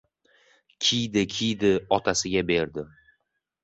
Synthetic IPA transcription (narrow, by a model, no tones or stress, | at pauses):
kʲʰijd̪ɪkʲʰijd̪ɪɒt̪ʰasɪɡʲabe̞ɾd̪ɪ